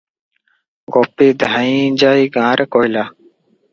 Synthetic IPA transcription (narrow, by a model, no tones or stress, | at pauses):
ɡoːpiːd̪ʱaĩːd͡ʒaːiɡãːɾʔekoːilaː